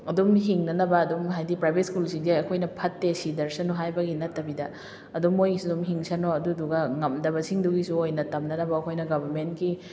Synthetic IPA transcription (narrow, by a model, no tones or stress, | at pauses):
ɐdumɦiŋnɐnɐbɐːdumɦajdipɾajbʱet̚skulsiŋdeɐkʰojnɐpʰɐtːesidɐɾsɐnoɦajbɐɡinɐtːɐbidɐ | ɐdumojisudumɦiŋsɐnoɐduduɡɐŋɐmdɐβɐsiŋduɡisuojnɐtɐmnɐnɐbɐːkʰojnɐɡɐbɐɾmentki